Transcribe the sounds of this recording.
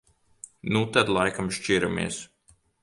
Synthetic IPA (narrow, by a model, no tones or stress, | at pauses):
nut̪ad̪lˠajkamʃt͡ʃiɾamḭɛs